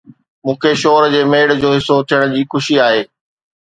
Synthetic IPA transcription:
mũːkʰeʃoːɾd͡ʑeːmeːɽd͡ʑoːɦɪsot̪ʰijəɽ̃d͡ʑiːxʊʃiaːɦeː

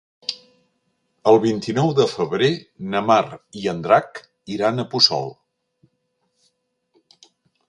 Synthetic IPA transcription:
əlˠβint̪inɔwðəfəβɾenəmariənd̪ɾak | iɾanəpusɔ̰lˠ

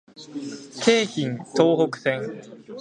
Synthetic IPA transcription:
kʰe̞ːçĩnt̪oːɦokɯ̟̥sẽ̞ŋ

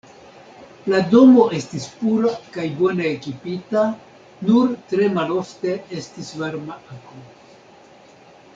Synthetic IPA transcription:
lado̞mo̞e̞stispuɾakajbo̞ne̞ːkipita | nuɾtɾe̞malo̞fte̞e̞stisvaɾmaako

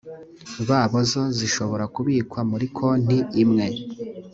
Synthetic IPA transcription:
βaːβo̞zo̞ziʃo̞βo̞ɾakuβiːkwamuɾikʰo̞n̥iːmŋe̞

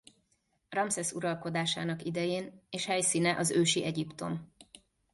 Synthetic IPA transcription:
rɒmsɛsuɾɒlko̞d̪aːʃaːnɒkid̪ɛjeːneːʃhɛjsiːnɛʔɒzøːʃiʔɛɟipt̪o̞m

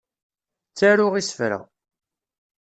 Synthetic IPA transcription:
t͡sːaɾʊʁisə̥fɾæ̰

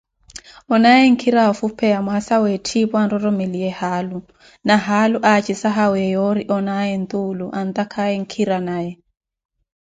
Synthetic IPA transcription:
ɔnajɛŋ̩kʰiɾaɔfupʰɛjamwasawɛtʰibanɾɔɾɔmeliɛhalu | naɦaluʔat͡ʃisaɦawɛjɔɾiʔɔnajɛnt̪uluʔant̪akʰajɛŋ̩kʰiɾanajɛ

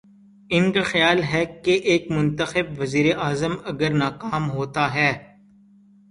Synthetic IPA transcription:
ɪnkaxjaːlɦɛkeʔeːkmʊ̃nt̪əxɪbʋɐziːɾeʔaːzəmɐɡəɾnaːkaːmɦoːt̪aɦɛː

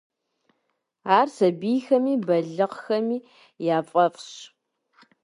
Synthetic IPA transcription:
aːrsɐbiːxɐmiːbɐɮɨqxɐmiː | jaːfʼɐfɕ

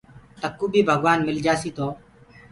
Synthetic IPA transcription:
t̪əkːuːbʱiːbʱəɡʋaːnmɪld͡ʒaːsiːt̪oː

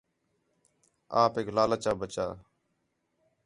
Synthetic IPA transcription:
aːpeːklaːlət͡ʃaːbət͡ʃaː

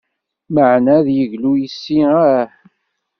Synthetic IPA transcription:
məʕnæðjəʝlujisːiaħ

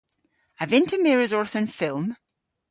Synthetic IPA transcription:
əvɪ̃ntʰəmɛɹəzɔɹθə̃nfɪlˠm

